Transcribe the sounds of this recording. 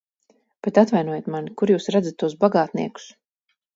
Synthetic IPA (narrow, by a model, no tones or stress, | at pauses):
pet̪at̪vajnuɔjat̪manikuɾjuːsɾad̪zat̪ːuɔs̬baɡaːt̪nḭɛku̥s